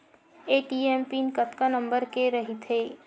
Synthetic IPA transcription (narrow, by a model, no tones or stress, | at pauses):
eːʈiempinkɐt̪kanɐ̃mbəɾkeɾɐɦit̪ʰɦeː